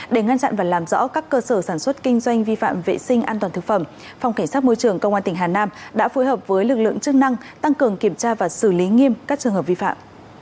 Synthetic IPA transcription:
ɗe˧˩ŋa˧nt͡ɕa̰˧˨nvaː˨˩laː˨˩mzɔ̰˧˥kaː˦˥kːəː˧səː˧˩saː˧˩nswə˦˥t̚kï˧ŋ̟zwa˧jŋ̟vi˧fa̰ː˧˨mvḛ˧˨sï˧ŋ̟ʔaː˧nt̪waː˨˩t̪ɨ˨˩k̚fə˧˩m | fa˧wŋ͡mka˧˩jŋ̟saː˦˥t̚mo˧jt͡ɕɨ˨˩əŋkə˧wŋ͡mʔaː˧t̪ï̟˨˩ɦaː˨˩naː˧mɗa̰ː˧˥fo˨˦jhəː˨˩p̚vəː˨˦jlɨ˨˩k̚lɨ̰˧˨ə˨ŋt͡ɕɨ˦˥k̚na˧ŋt̪a˧ŋkɨ˨˩əŋki˧˩əmt͡ɕaː˧vaː˨˩sɨ˧˩li˨˦ŋi˧əmkaː˦˥k̚t͡ɕɨ˨əŋhəː˨˩p̚vi˧fa̰ː˧˨mʔ

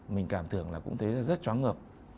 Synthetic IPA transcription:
mï˨˩ŋ̟kaː˧˩mt̪ʰɨ˧˩əŋlaː˨˩kʊ̰˧˥ŋ͡mt̪ʰe˨˦zaː˧zə˦˥t̚t͡ɕwaː˨˦ŋə˨˩əp̚

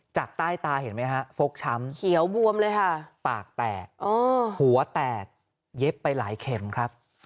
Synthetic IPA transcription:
t͡ɕa˨˩k̚t̪aː˥˩jt̪aː˧he˩˦nma˦˥jkʰa˦˥fo˦˥k̚t͡ɕʰa˦˥mkʰi˩˦əwbu˧əmlɤː˧jkʰa˥˩paː˨˩k̚t̪ɛː˨˩k̚ʔɔː˧˩hu˩˦ɐt̪ɛː˨˩k̚ | je˦˥pːa˧jlaː˩˦jkʰe˧mkʰɾa˦˥p̚

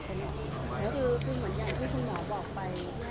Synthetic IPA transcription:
sa˧no˨˩ | lɛː˦˥wkʰɯː˧kʰɯː˧mɯ˩˦ənka˧˩ŋt̪ʰiː˥˩kʰu˧nmɔː˩˦bɔː˨˩k̚pa˧j

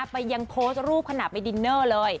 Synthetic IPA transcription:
pa˧jːa˧ŋpʰoː˦˥st̪̚ɾuː˥˩p̚kʰa˧na˨˩pa˧jdi˧nːɤː˥˩lɤː˧j

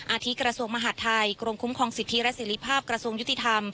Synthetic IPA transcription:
ʔaː˧t̪ʰi˦˥kɾa˧su˧əŋma˧ɦa˨˩t̪ʰːa˧jkɾo˧ŋkʰu˦˥mkʰɔː˧ŋsi˨˩t̪ʰːi˦˥lɛ˦˥seː˩˦ɾi˦˥pʰaː˥˩p̚kɾa˧su˧əŋju˦˥t̪ʰːi˧t̪ʰa˧m

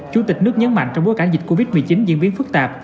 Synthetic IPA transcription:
t͡ɕu˧˩˦t̪ï˨˩k̚nɨ˦˥ək̚ɲə˨˦nma̰˧˨jŋ̟t͡ɕɔ˧wŋ͡mɓo˨˦jkaː˧˩zi̟˨˩ko˧vi˦˥t̚mɨ˨˩t͡ɕi˨˦nzḭ˧ənvi˧əfɨ˦˥k̚t̪aː˨˩p̚

